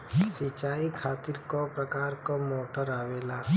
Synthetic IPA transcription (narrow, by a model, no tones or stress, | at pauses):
sɪt͡ʃaːikʰaːt̪ɪɾkopɾəkaːɾkomoːʈəɾaːweːlaː